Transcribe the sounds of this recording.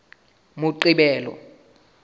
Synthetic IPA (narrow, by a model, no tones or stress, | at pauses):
muǃiɓɛːlɔ̰